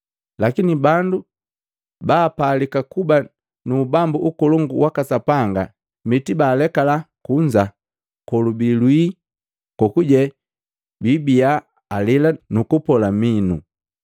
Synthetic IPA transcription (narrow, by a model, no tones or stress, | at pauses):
lakinibandu | baːpaːlikakuba | nuːbambuʔukɔlɔŋɡuwakasapaŋɡa̰ | mitibaːlɛkalakuɲd͡ʒa | kɔlubilwi | kɔkuɟɛ | bibiaː | lilanukupɔlaminu